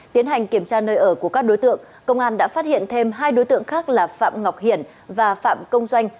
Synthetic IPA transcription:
t̪i˨˦ənɦa˨˩jŋ̟ki˧˩əmt͡ɕaː˧nəː˧jʔəː˧˩ku˧˩əkaː˦˥k̚ɗo˨˦jt̪ɨ̰˧˨əŋ | kə˧wŋ͡mʔaː˧nɗa̰ː˧˥faː˦˥t̚hḭ˧˨ənt̪ʰe˧mɦaː˧jɗo˨˦jt̪ɨ̰˧˨əŋxaː˦˥k̚laː˨˩fa̰ː˧˨mŋa˨˩wk͡p̚hḭ˧˩ən | vaː˨˩fa̰ː˧˨mkə˧wŋ͡mzwa˧jŋ̟

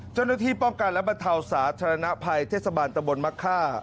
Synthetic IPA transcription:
t͡ɕa˥˩wna˥˩t̪ʰiː˥˩pɔ˥˩ŋka˧nlɛ˦˥ba˧nt̪ʰa˧wsaː˩˦t̪ʰaː˧ɾa˧na˦˥pʰa˧jt̪ʰeː˥˩t̪sa˧baː˧nt̪a˧mbo˧nma˦˥kʰːaː˥˩

